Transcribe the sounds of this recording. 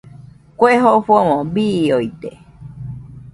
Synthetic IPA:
kʷeɦoɸomõbioit̪e

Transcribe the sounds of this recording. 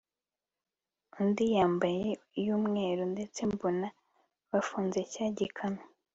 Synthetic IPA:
undijaːmbajeijuːmŋe̞ːɾunde̞t͡se̞mbona | βafuːnze̞caːɟikʰano

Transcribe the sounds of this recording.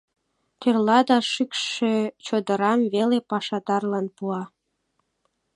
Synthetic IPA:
t̪erlɑd̪ɑʃykʃet͡ɕod̪əɾɑmβelepɑʃɑd̪ɑrlɑnpuɑ

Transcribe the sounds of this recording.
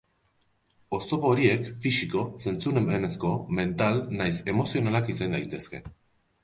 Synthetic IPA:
o̞st̪o̞po̞ɾie̞kfisiko̞se̞nt͡sunemene̞sko̞me̞nt̪alnajse̞mo̞sio̞nalakisend̪ajt̪e̞ske̞̰

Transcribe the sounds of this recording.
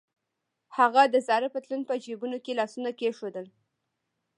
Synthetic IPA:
haɣad̪əzɑɾəpət̪lunpəd͡ʒebunokelɑsunakeʃod̪əl

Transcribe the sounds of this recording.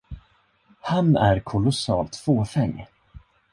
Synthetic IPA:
hanæɾkʰʊlʊsɑːlt̪foːfɛŋː

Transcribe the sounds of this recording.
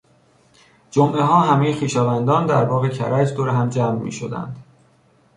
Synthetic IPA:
d͡ʒomʔeɦɒːɦæme̞jexiːʃɒːvænd̪ɒːnd̪æɾbɒːɣecʰæ̰ɾæd͡ʒd̪oɾeɦæmd͡ʒæːmːḭːʃod̪æ̰nd̪̥

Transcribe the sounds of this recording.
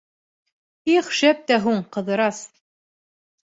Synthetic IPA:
iχʃæp̚t̪æɦuɴqɤ̆ðɤ̆ɾɑs

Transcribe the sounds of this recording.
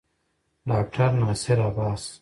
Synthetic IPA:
ɖaːk̚ʈʰɐɾnaːseɾaːbaːs

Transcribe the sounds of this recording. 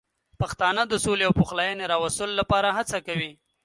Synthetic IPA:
paxt̪ɑnəd̪əsoleawpoxlɑjəneɾɑwast̪əlolapɑɾaɦat͡sakawi

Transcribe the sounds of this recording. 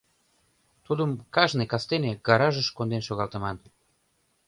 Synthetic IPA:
t̪ud̪əmkɑʒnekɑst̪eneɡɑɾɑʒəʃkond̪enʃoɣɑlt̪ə̆mɑn

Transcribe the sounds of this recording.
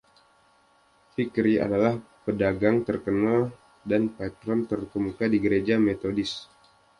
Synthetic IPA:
fikɾia̰dalahpədaɡaŋt̪ərkənal | danpat̪ɾɔnt̪ərkəmukadiɡəɾed͡ʒamet̪odɪs

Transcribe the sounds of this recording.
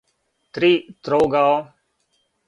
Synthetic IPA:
t̪ɾiːt̪ɾoːɡaːoː

